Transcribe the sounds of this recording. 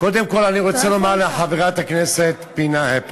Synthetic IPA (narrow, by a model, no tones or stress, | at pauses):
ko̞d̪e̞mko̞laniʁo̞t͡selo̞maʁleħaveʁat̪hakneset̪pinahep